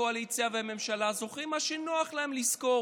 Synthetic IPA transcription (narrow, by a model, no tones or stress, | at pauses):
oalit͡siaveme̞mʃalazo̞χimaʃinoaχlaemlisko̞